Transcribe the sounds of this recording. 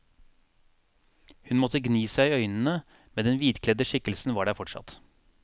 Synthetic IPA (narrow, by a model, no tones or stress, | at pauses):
hʉnmɔt̪əɡniːsæɪœʏnn̩ə | mɛd̪ɛnʋiːd̪kʰlɛd̪əʃɪkəlsn̩ʋɑːɖæːɾfɔʈsɑ̰t̪